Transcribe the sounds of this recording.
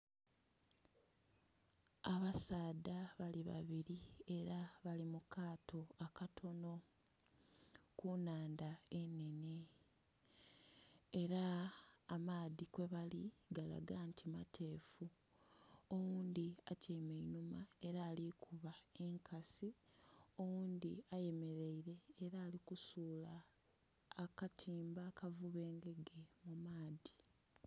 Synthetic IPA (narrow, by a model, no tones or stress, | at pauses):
aβasaːdaβaliβa̰βiɾie̞ɾaβalimukʰaːtʰo̞akatʰo̞no̞ | kunaːndae̞ne̞ne̞ | eɾaː | maːðikwe̞βaliɡala̰ɡantʰimatʰe̞ːfu | o̞wuːnd̪iacejmeinumae̞ɾaːlikʰuβae̞ŋkʰasio̞wuːnd̪iaje̞me̞ɾe̞iɾe̞ːɾaːlikusuːlaː | katʰiːmbaːkavuβe̞ːŋɡe̞ɡe̞mumaːði